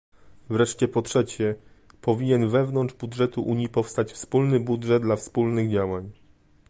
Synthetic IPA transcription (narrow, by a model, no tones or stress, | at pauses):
vɾɛʂt͡ɕɛpɔtʂɛt͡ɕɛ | pɔvʲiɲɛnvɛvnɔndʐbudʐɛt̪uʔuɲjipɔfst̪at͡ɕfspulnɘbudʐɛd̪̚d̪lafspulnɘɣd͡ʑawaɲ